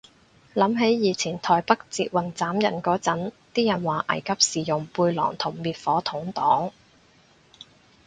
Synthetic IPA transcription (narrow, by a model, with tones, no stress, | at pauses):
lɐ˨˥mɦe˨˥jjiː˨˧t͡sʰiː˨˩nt̪ʰɔː˨jpɐ˥k̚t͡siː˧t̚wɐ˨nt͡saː˨˥mjɐ˨˩nkɔː˨˥t͡sɐ˨˥nt̪iː˥jɐ˨˩nwaː˨˩ʔɐ̰˨˩jkʰɐ˥p̚siː˨˩jʊ˨˩ŋpuː˧jlɔ̰ː˨˩ŋt̪ʰʊ˨˩ŋmiː˨˧t̚fɔː˨˥t̪ʰʊ˨˥ŋt̪ɔː˨˥ŋ